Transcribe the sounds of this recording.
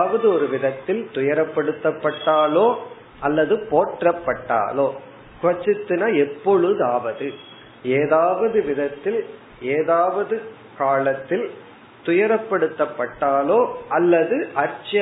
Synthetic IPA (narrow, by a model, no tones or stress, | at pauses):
ʋɐðɯɔɾɯʋɪðɐt̪ːɪlt̪ʊjɐɾɐpːɐɽɯt̪ːɐpːɐʈːaːloː | ɐlːɐðɯpoːʈrɐpːɐʈːa̰ːloː | kʊʋɐt͡ʃːɪt̪ːɯnɐɛpːɔɻɯðaːʋɐðɯ | eːðaːʋɐðɯʋɪðɐt̪ːɪl | eːðaːʋɐðɯ | kaːɭɐt̪ːɪl | t̪ʊjɐɾɐpːɐɽɯt̪ːɐpːɐʈːaːloːʔɐlːɐðɯʔɐɾt͡ʃɐ